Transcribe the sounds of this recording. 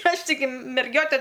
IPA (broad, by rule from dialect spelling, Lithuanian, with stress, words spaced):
ˈɐʃ tʲɪˈɡʲɪ mʲɛrʲˈɡʲoːtʲɛ